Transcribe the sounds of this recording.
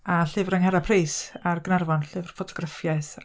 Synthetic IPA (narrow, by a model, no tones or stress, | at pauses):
aɬɨvrəŋhɛɾapʰrejsarɡnarvɔnɬɨvrfɔtʰɔ̥ɡ̥rafjaɨθ